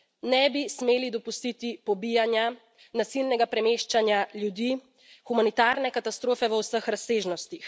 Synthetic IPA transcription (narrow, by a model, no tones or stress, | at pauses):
nɛbismeːlid̪ɔpust̪it̪ipɔbijanja | nasilnɛɡapɾɛmeːʃt͡ʃanjaljud̪iː | xumanit̪aːɾnɛkat̪ast̪ɾoːfɛʋəwsəxɾaseːʒnɔst̪ix